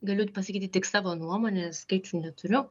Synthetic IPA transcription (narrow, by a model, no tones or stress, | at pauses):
ɡɐlʲʊt̪ʲpɐsʲɐkʲiːt̪ʲit̪ʲːɪksɑːʋoːnuɔmoːnʲɛskɐɪt͡ʃʲʊnʲɛt̪ʊɾʲʊ